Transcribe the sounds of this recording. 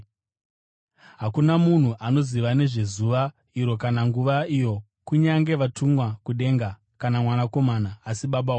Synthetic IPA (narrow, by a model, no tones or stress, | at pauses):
ɦakunamun̤uʔano̞ziʋane̞ʐe̞zuʋa | iɾo̞kanaŋɡuʋaijo̞ | kuɲaŋɡe̞ʋatumwakuɗe̞ŋɡa | kanamwanako̞manaːsiɓaɓao